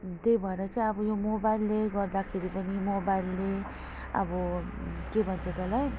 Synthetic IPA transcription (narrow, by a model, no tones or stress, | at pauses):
t̪ejbʱʌeɾʌt͡saĩʌbʌjomobajlːeɡʌrd̪akʰeɾipʌnimobajlːe | ʌ̰bʌkebʱʌnt͡sʰʌt͡sʌlaj